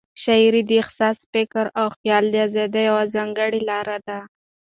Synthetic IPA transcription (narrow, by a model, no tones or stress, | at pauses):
ʃajɾid̪əɪxsɑsfɪkəɾawxjɑld̪iazed̪ajawazɑŋɡəɽilɑɾad̪a